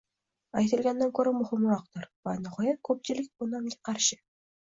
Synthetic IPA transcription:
ajt̪ɪ̆lɡʲanːankʲɵɾamʊhɪmɾɒq̚t̪ʊɾvanʊχojakʰɵp̚t͡ʃɪlɪk̚ʲbʊnamɡʲḁqʰɑɾʃɪ̥

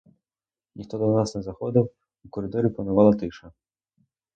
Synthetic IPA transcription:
nʲixt̪ɔd̪ɔnasnɛzɐxɔd̪ɔw | ukɔɾɨd̪ɔɾʲiplɐnʊvalˠɐt̪ɪʃɐ

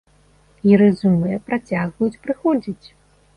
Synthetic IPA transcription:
iɾɨzumɨjɐpɾat͡sʲaɣvɐjut͡sʲpɾɨxɔd͡zʲit͡sʲ

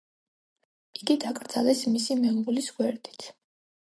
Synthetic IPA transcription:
iɡid̪akʼɾd̪z̥alɛsmisimɛŋɡulisɡwɛɾd̪i̥t̪ʰ

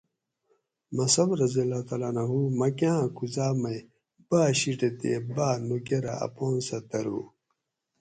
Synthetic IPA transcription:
mɐsɐbɾɐzilːat̪aːlanɐɦumɐkãkuzaːmɐj | b̥aːɕiʈet̪ḛːbaːnukeɾa̰ɐ̰poːnsɐt̪ɐɾṵː

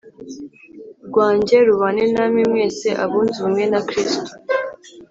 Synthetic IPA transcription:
ɾɡwaːɲɟe̞ɾuβanenamimŋe̞ːseʔaβuːnziβumŋe̞nakɾisto̥

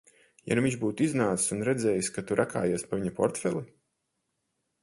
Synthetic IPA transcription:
ja̰nuviɲʃbuːt̪iznaːt̪isunɾɛd̪zɛːjiskat̪uɾʔakaːjuːspavʲiɲapɔ̰ɾt̪fɛlˠi

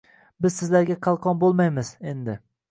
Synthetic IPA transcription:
bɪzsɪzlaɾɡʲaqʰɑlˠqʰɒnbolˠmajmɪz̥e̞nd̪ɪ

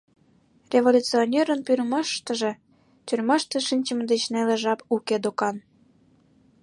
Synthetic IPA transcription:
rʲevolʲut͡sionʲeɾənpyrmɑʃt̪əʒĕ | t̪yrmɑʃt̪ĕʃinʲt͡ɕəməd̪et͡ɕnælĕʒɑpuked̪okɑn

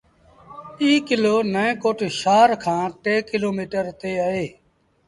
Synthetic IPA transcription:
iːkɪloːnəẽːkoːʈʃaːɾkʰãːʈeːkɪloːmiːʈəɾt̪eːaːɦeː

